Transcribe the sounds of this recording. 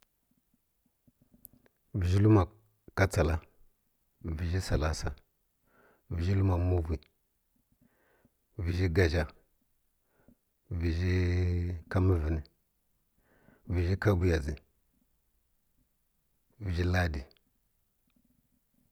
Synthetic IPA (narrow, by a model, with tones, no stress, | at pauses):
vi˨ʒi˦lu˦ma˨ | ka˦t͡sa˨la˦ | vi˨d͡ʒi˦sa˨la˦sa̰˨ | vi˨ʒi˦lu˦ma˨mu˦vi˨ | vi˨ʒi˦ɡa˨ʒa˨ | vi˨d͡ʒi˦ | ka˦mi˦vi˨ni˨ | vi˨ʒi˦ka˦bu˦ja˨zi˨ | vi˨d͡ʒi˦la˦di˨